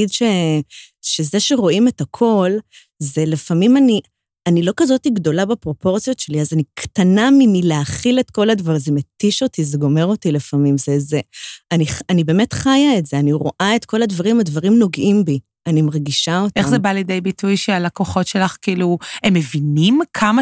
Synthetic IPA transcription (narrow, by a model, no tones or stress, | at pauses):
idʃe | ʃezeʃeʁo̞ime̞takʰo̞l | ze̞lefamimani | anilo̞kazo̞tiɡdo̞labepʁo̞po̞ʁt͡sijo̞tʃe̞liazaniktanaminileaχiletko̞ladvaʁzemetiʃo̞tizeɡo̞me̞ʁo̞tilefamimzezeaniχanibe̞ːme̞tχajaetz̥eaniʁo̞̰ʔae̞tko̞ladvaʁimadvaʁimno̞ɡʔimbi | animaʁɡiʃao̞teχzebalidejbitʰujʃealakoχo̞tʃe̞laχkiiluemːevinimkʰama